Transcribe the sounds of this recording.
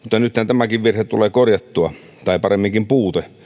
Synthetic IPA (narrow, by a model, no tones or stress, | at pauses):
mut̪ːɑnyt̪hænt̪æmækiʋʋirhett̪uleːkorjɑt̪ːuɑ | t̪ɑˑepɑremːiŋkimpuːt̪e